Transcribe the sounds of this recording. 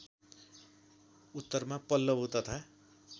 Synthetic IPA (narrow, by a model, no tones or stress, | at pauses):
ut̪ːʌrmapʌlːʌbot̪ʌt̪ʰa